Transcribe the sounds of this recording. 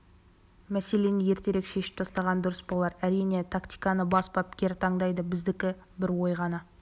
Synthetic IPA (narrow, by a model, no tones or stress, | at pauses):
mæse̞le̞nɪje̞ɾt̪e̞ɾe̞kʃe̞ʃɪ̥p̚t̪ʰɑst̪ɑʁɑnd̪ʊɾəsbo̞lˠɑɾæɾijne̞t̪ʰakt̪ijkɑnəbɑsbɑpkʲe̞ɾt̪ʰɑɴd̪ɑjd̪əbɪzd̪ɪkʲɪ | bɪɾwo̞jʁɑnə